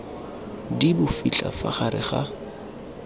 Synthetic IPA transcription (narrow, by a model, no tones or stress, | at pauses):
dibʊfit͡ɬʼa̰fa̰χaɾɪ̰χa